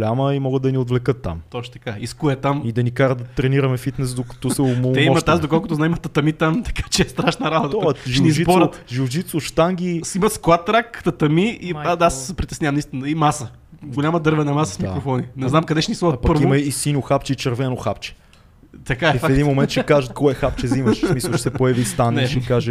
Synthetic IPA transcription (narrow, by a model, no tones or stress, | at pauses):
lʲaməimɔɡəd̪ɐniod̪vlɛkɤt̪ːa̰mt̪ɔt͡ʃ̪t̪ɐ̥kaiskuɛt̪amid̪ɐnikaɾəd̪ɐt̪ɾɛniɾɐmɛfit̪nɛsd̪okɐ̥t̪ɔsɛmot̪ɛiɔmɐt̪asd̪okɔlˠkʊt̪ʊznaimɐt̪ɐt̪ɐmit̪amt̪ɐ̥kḁt͡ʃɛːst̪ɾaʃnɐɾabot̪əʒʃɛnizibɔɾət̪ʒud͡ʒit̪sʊʃt̪aŋɡʲisimɐt̪sklˠat̪ːɾakt̪ɐt̪ɐmiiaasspɾit̪ɛ̥snʲavɐmnist̪ʲinɐimasə | ɡolʲaməd̪ɤɾvɛnɐmasə̥smikɾofɔninɛznamkɐd̪ɛʃɛnisˠɔɾət̪̚pɐpɤɾviomɐisinoxapt͡ʃɛit͡ʃɐɾvɛnoxapt͡ʃɛ̥ | t̪ɐkaɛifaɛd̪inmomɛnt̪t͡ʃɛkaʒət̪̚kɔɛxap̚t͡ʃɛzimɐʃmisɐʃɛsɛpojɐvist̪anɛʃkaʒɛ